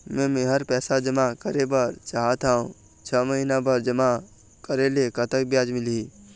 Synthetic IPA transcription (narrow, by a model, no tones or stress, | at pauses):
mɛ̃ːmẽɦəɾpɛːsad͡ʒəmakəɾebəɾt͡ʃaːɦat̪aːũ | t͡ʃʰəːməɦinabəɾd͡ʒɐma | kəɾeleekət̪əkbjaːd͡ʒmɪliiː